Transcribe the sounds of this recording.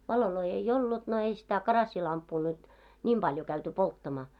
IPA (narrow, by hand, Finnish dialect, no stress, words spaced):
ʋɑloloi ei olːut no ei sitæ kɑrɑsːilɑmpːuː nyt nʲim b̥ɑljo kæyty poltːɑmɑː